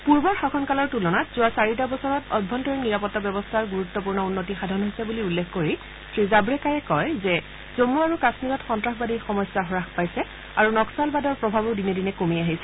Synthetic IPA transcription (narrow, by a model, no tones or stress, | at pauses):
puɹbɔɹxɔkʰɔnkalɔɹtulɔnatz̥ʊwasaɹit̬abɔsɔɹɔtɔd̚bʱɔntɔɹiniɹapɔtːabjɔbɔstʰaɹɡuɹutːɔp̬uɹnɔunːotixadʱanɦojsɛbuliulːekʰkoɹi | tʰɹizabɹɛkaɹɛkɔjzɛ | zomːuaɹukasnikɔtxɔntɹaxbadixɔmɔjsaɦɔɹaxpajsɛ | aɹunɔksalbadɔɹpɹɔbʱabɔɹdinɛdinɛkomiaɦisɛ